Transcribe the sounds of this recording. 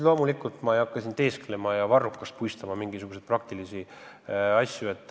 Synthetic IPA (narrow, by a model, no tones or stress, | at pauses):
lo̞ːmulikːˑult̪mɑejɑkːˑɑsʲint̪e̞ːsklemɑjɑvɑrːukːˑɑst̪̚pujst̪ɑmɑmiŋɡ̥isuɡ̥use̞d̪̥̚prɑk̚t̪ilisi | ɑsʲjue̞t̪ːˑ